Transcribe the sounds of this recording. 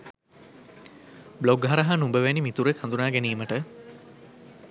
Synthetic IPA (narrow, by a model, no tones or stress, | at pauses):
bloɡɦɐɾaɦanumbəʋænimit̪uɾekʰãnd̪unaːɡæniːməʈə